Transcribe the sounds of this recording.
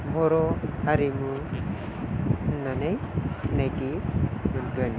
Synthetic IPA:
bʱɔɾɔaɾimu | nːanɯjsinajtimɯnɡɯn

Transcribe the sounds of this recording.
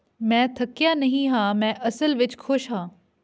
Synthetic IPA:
mɛ̃ːt̪ʰɐkjaːnɐɦĩɦãːmɛ̃ːʔɐsəlʋɪt͡ʃkʰʊʃɦãː

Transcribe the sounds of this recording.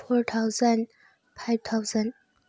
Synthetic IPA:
fɔɹt̪ʰaʊzə̃n | pʰaɪv̥t̪ʰaʊzə̃n

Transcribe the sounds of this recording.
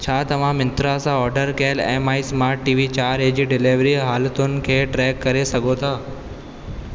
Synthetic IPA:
t͡ɕʰaːt̪ɐʋ̤ãmɪ̃nt̪ɾasãɔːɾɖəɾkeːlḛːmaːismaːɾʈːiːʋit͡ɕaːɾeːd͡ʑiɖɪleʋɾiɦaːlt̪onɪ̆kʰeːʈɾɛːkːɐɾesɐɡʱot̪ʰaː

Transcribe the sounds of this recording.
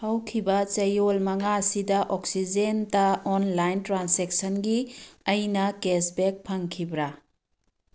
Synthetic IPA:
hɐwkʰibɐt͡ʃɐjolmɐŋasidɐʔoksid͡ʒentɐonlajntɾansek̚sɐnɡiɐjnɐkesbek̚pʰɐŋkʰibɾa

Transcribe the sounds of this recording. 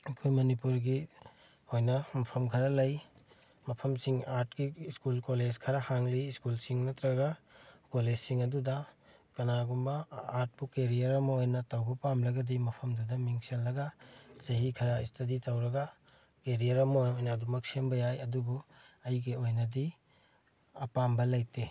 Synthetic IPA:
ɐkʰojmɐnipuɾɡi | ojnɐmɐpʰɐmkʰɐɾɐlɐj | mɐpʰɐmsiŋaɾt̚kiskulkoled͡ʒkʰɐɾɐhaŋliːskulsiŋnɐtɾɐɡɐkoled͡ʒsiŋɐdudɐkɐnaɡumbɐaɾt̚pukeɾijɐɾɐmɐojnɐtɐwbɐpamlɐɡɐdimɐpʰɐmdudɐmiŋselːɐɡɐsɐɦikʰɐɾaistɐditɐwɾɐɡɐ | keɾijɐɾɐmɐojojnɐːdumɐksembɐjajɐdubuɐjɡiojnɐdi | ɐpambɐlɐjte

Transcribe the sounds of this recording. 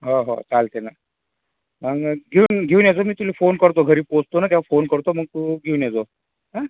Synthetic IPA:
ɦoɦo̰t͡salt̪ena | məɡɡʱeunɡʱeunjad͡zomiːt̪ulifonkəɾt̪oɡʱəɾiːpost̪onat̪̬jaʋafonkəɾt̪oməɡ̚t̪uɡʱewnjat͡so | ɦa

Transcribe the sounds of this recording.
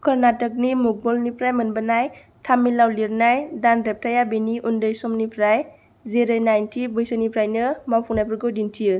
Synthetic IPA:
kʰəɾnatək̚nimuk̚bɔlnipɾajmɯnbənaj | tʰamilawliɾnajdanɾep̚tajabiniʔundɯjsɔmnipʰɾaj | zeɾanajntʰibɯjsanipʰɾajnɯmawpʰɔŋnajpʰɯɾɡɯwdintʰijɯ

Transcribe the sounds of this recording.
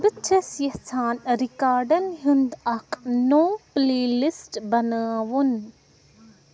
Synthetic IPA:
bɨt͡ʃʰɐsjɐht͡sʰaːnɾikaːɾɖɐnɦund̪ɐkʰnoːpleːlisʈbɐnəwun

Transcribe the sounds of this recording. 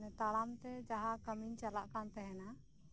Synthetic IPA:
nɛt̪aɽamt̪ɛd͡ʒaɦakəmiɲt͡ʃalaʔkant̪ɛɦɛna

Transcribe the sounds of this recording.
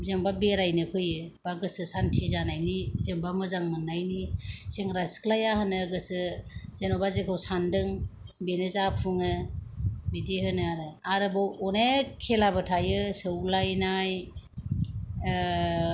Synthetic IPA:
zeŋbabeɾajnɯpʰɯjɯ | b̥aɡɯsɯsantʰizanajnizeŋbamɯzaŋmɯnːajniseŋɾasklajahɯnɯɡɯsɯzenobazekʰawsandɯŋ | benɯzapʰuŋɯ | bidihɯnɯaɾɯaɾɯbawɔnekʰelabɯtʰajɯsɯwlajnaj

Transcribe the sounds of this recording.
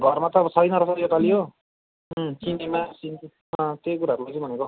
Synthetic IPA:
ɡʱʌrmat̪ʌbʌsʌjnʌɾʌsʌijot̪alijo | sinemasin | t̪jojk̬uɾaːɾulajt͡sʌĩbʱʌneko

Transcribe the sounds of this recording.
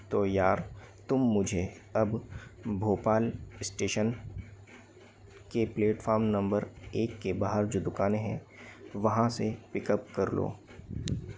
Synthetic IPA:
t̪oːjaːɾt̪ʊmːʊd͡ʒʱeɐbbʱoːpaːlɪsʈeːʃən | kepleːʈfʰaːɾmnɐ̃mbəɾeːkːebaːɦəɾd͡ʒoːd̪ʊkaːneɦɛ̰̃ | ʋɐɦãsepɪkəp̚kɐɾlo̰ː

